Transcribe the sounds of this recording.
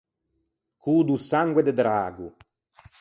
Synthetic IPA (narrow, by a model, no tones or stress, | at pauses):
kʰuːd̪usaŋɡwed̪ed̪ɾaːɡu